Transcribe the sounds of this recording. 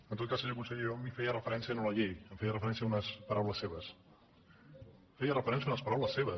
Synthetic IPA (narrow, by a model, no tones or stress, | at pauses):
ənt̪ot̪̚kaseʒəkunsəɣiomifejərəfəɾɛnsiənuləʎejəmfejərəfəɾɛns̬iəunəspəɾawləsːeβəs | fejərəfəɾɛnsiəunəspəɾawləseβə